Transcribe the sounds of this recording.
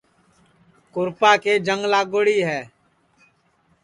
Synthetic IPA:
kʊɾpaːkeːd͡ʒəŋɡlaːɡoɽiːɦɛː

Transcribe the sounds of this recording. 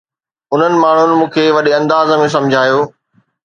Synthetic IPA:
ʊn̤ənɪ̆maːɳ̤ʊnɪ̆mũːkʰeːʋɐɗeɐ̃nd̪aːzmẽs̬ɐ̃md͡ʑʱaːjoː

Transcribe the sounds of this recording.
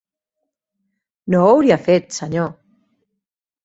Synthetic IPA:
noawɾiafet̪saɲo

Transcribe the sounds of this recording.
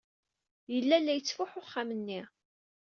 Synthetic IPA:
jəlːælːæjət͡sːfʊħʊχːamənːi

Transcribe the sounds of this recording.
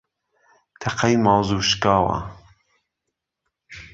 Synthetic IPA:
t̪ʰɛqʰajmɑːwzuːʃkɑːwa̰

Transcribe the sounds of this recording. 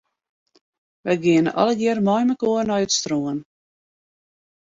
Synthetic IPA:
ʋɛjɡiənə̰ʔɑ̰ləɡɪərmɔjməkoərnɔjətstroən

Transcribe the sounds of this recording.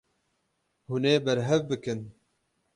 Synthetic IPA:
huneːbɛɾɦɛvbɨkɨn

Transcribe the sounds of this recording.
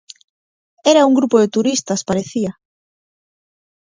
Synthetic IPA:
eɾauŋɡɾupoðɪt̪uɾist̪ɐspaɾeθiɐ

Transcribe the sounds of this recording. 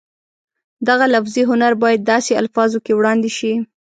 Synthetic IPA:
d̪aɣalafziɦʊnaɾbɑjad̪̚ːɑsea̰lfɑzokewɽɑnd̪eʃi

